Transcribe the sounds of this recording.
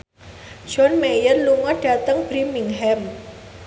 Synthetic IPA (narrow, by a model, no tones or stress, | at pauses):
d͡ʒɔnmejərluŋɔɖ̥a̤t̪əŋb̥ɾimiŋɦɛm